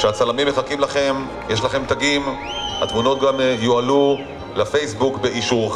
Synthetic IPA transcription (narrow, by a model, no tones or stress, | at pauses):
ʃeat͡salamimːeχakimlaχe̞m | jeʃlaχe̞mt̪aɡim | ha̰t̪muno̞t̪̚ɡamjoalu | lafejsbukbeʔiʃuʁ